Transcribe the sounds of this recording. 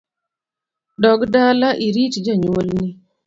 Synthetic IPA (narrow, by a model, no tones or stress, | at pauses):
dɔɡdalaʔiɾit͡ʃd͡ʒaɲwolnɪ